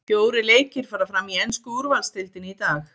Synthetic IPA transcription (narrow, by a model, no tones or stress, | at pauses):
pjoːwɾɪleːjcɪɾ̥faːɾafɾamienskʏuɾvalst̪ɪlt̪ɪnit̪aːx